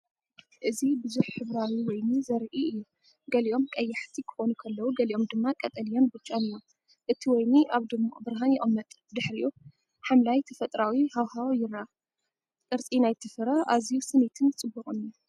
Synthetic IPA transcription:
ʔɨzibɨzuħħɨβɾawiwɔjnizɐɾʔiɨjːu | ɡɐliʔo̞mkʼɐjːaħt̪ʰikʰɨ̥xo̞nukʰɐlːɐwuɡɐliʔo̞md̪ɨmːakʼɐt̪ʼɐlijo̞nbɨt͡ʃʼonɨju | ʔɨt̪ʰiwɔjniʔaβd̪ɨmːabɨɾaɦanjɛʔʼɐmːɐt̪ʼ | d̪ɨħɾiju | ħamlajt̪ʰɐfɐt̪ʼɾawihawhawjɪɾa | kʼɨɾt͡sʼinajt̪ʰɨfɨɾɐʔazijusɨnit̪ʰɨnt͡sʼɨbːɨχʼɨnju

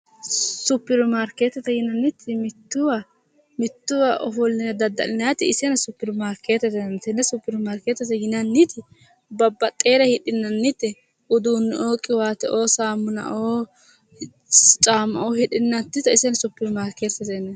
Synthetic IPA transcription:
sʊpːɪɾʊmaːɾkeːt̪ːɛt̪ɐjɪnɐnːɪt̪ʰːɪmɪt̪ːʊwa | mɪt̪ːʊwaʔɔfɔlnɪjɐd̪ɐd̪ːɐ̰nɪnɐjɐt̪ɪɪsɛnɐsʊpːɪɾʊmaːɾkeːt̪ːɛt̪ɛnnt̪ɛnːɛsʊpːɪɾʊmaːɾkeːt̪ːɛt̪ːɐjɪnɐnːɪt̪ɪ | bɐbːɐt̪ʼe̞ːɾɐhɪᶑɪnːɐnːɪt̪ːɪ | ʔʊd̪uːnːɛʔoːkʼːɪwaːt̪ɛʔoːsaːmːʊnɐ̰ʔoː | t͡ʃʼaːmːɐ̰ʔoːhɪɗɪnːɐt̪ːɪt̪ɐɪsɛnɐsʊpːɪɾmaːɾkːeːt̪ːɛt̪enːɐ

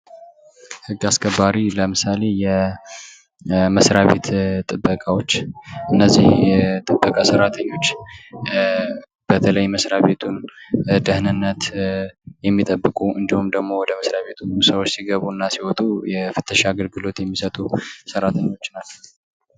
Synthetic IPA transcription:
hɨɡːaskʰəbːaɾiləmɨsale̞jɛ | məsɾaβe̞t̪t̪ʼɨbːəkʼawo̞t͡ʃːʔɨnːəzːihjɛt̪ʼɨbːəkʼasəɾat̪ʰəɲːo̞t͡ʃː | b̥ət̪ʰələjməsɾaβe̞t̪ʰund̪əhnɨnːət̪ | jɛmːit̪ʼəbːɨkʼuɨnd̪ihumd̪əɡmo̞wɔd̪əməsɾaβe̞t̪ʰusəwot͡ʃːsiɡəβuɨnːasiwɔt̪ʼujɛfɨt̪ʰːəʃaaɡəlɡɨlo̞t̪jɛmːisət̪ʼusəɾat̪ʰəɲːo̞t͡ʃːnat͡ʃːɛw

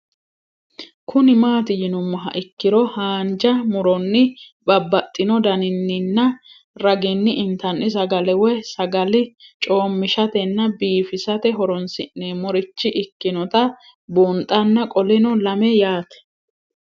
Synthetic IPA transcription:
kʰʊnɪmaːt̪ɪjɪnʊmːɐɦɐ̰ʔɪkːɪɾɔhaːnd͡ʒɐmʊɾɔnːɪbɐbːɐt̪ʼːɪnɔd̪ɐnɪnːɪnːɐ | ɾɐɡɪnːɪʔɪnt̪ɐnʔɪs̬ɐɡɐlɛwɛsɐɡɐlɪt͡ʃʼo̞ːmːɪʃɐt̪ɛnːɐbiːfɪsɐt̪ɛɦɔɾɔnsɪnːeːmɔɾɪt͡ʃːɪʔɪkːɪnɔt̪ɐ | bunt̪ʼɐnːɐkʼɔlɪnɔlɐmɛjaːt̪ɛ̥

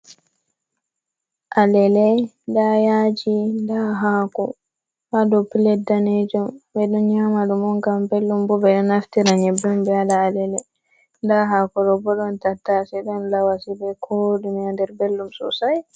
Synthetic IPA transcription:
ʔalɛlɛ | ndajad͡ʒindaɦaːkɔ | wadɔpilɛdaned͡ʒɔmbɛɗɔnɲamaɗumɔŋkambelːumbɔbɛɗɔnaftiɾaɲɛbɔmbɛalaːlɛlɛ | ndaɦakɔɾɔbɔɗɔntatːasɛɗɔnlawasibɛkʰoɗimiandɛɾbelːumsɔ̰saj

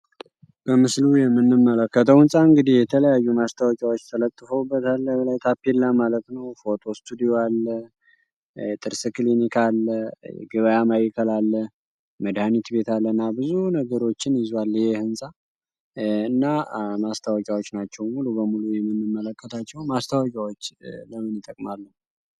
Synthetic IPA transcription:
b̥əmɨslujɛmːɨnːɨmːələkːət̪ʰəwɨnsʼaɨŋɡɨd̪ijɛt̪ʰələjajːumast̪ʰawɔkʼawot͡ʃːt̪ʰələt̪ʼːɨfəwbːət̪ʰalːəbəlajt̪ʰapːelːəmalət̪nəwfo̞t̪ʰo̞st̪ʰud̪ioalːə | t̪ʼɨɾsɨklinikʰalːə̰ɡɨβəjamajikʰəlalːə | məd̪hanit̪be̞t̪ʰalːənːabɨzunəɡəɾo̞t͡ʃːɪnjɪzwalːjɪhehɨnsʼa | ɨnːamast̪ʰawɔkʼjawot͡ʃːnat͡ʃːɛwmulubəmulujɛmːɨnːɨmːələkʰʼːət̪ʰat͡ʃːɛwmast̪ʰawɔkʼawot͡ʃːləmɨnɨt̪ʼəkʼmalːə

